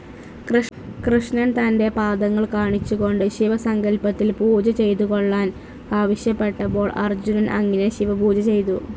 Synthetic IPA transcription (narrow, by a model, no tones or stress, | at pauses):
k | krɨʂnɐnt̪ɐnde̞paːd̪ɐŋːɐɭkaːɳit͡ɕːuɣo̞ɳɖɨɕiʋɐsɐŋɡɐlpɐt̪ːilpuːd͡ʑɐt͡ɕe̞jt̪̬uɣo̞ɭːaːn | aːʋɐɕjɐpːe̞ʈːɐbo̞ːɭɐ̰rd͡ʑunɐnʔɐ̰ŋːineɕiʋɐpuːd͡ʑɐt͡ɕe̞jt̪u